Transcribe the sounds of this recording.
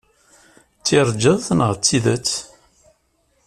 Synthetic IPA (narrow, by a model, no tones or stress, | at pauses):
t͡sːiɾˤd͡ʒəðθnəʁt͡sːiðət͡sː